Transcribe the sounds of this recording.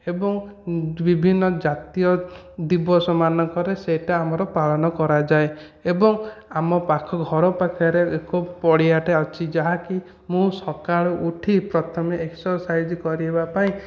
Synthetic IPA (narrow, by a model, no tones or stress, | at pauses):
ebɔŋbibʱinːɔd͡ʒat̪ijɔd̪ibɔsɔmanɔŋkɔɾeseʈaamɔɾɔpalɔnɔkɔɾad͡ʒae | ebɔŋamɔpakʰɔɡʱɔɾɔpakʰaɾeekopɔɽiaʈeɔt͡ʃʰid͡ʒaɦaki | mũsɔkaɭɔʔuʈʰipɾɔt̪ʰɔmeeksɔɾsajd͡ʒkɔɾiɦebapaĩ